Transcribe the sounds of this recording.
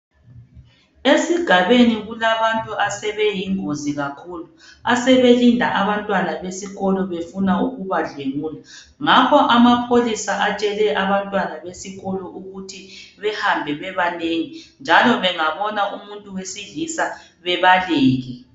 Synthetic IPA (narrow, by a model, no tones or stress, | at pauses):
esiɡ̥ʱaβeniɣulaβantʼuasɛβɛjiŋoziɣakʰuːlu | asɛβelindʱaʔaβantʼwanaβesiɣɔlɔβefunauɣuβaɮeɣuːla | ŋakʰɔʔamapʰolisaʔat͡ʃʼɛlɛʔaβantʼwanaβesiɣɔlɔʔuɣutʰiβɛhambʱɛβɛβaneŋind͡ʒʱalɔβɛŋaβɔnaʔumuntʼuwesiɮisa | βɛβaleːɣi